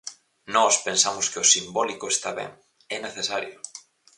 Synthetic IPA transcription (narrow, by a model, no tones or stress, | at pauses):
nɔspensamʊskɪʊsimbɔlikʊest̪aβɛ̰̃ŋ | ɛneθesaɾjʊ